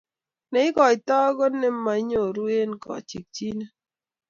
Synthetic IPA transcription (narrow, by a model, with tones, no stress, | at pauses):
nɛ˨˦ɪ˦kɔ˨ɪ˨t̪ɔ˦ɡɔ˦nɛ˦mːa˨˦ɲo˨ɾu˦e˦nkɔ̰˨t͡ʃi˨k̚t͡ʃi˦ne˦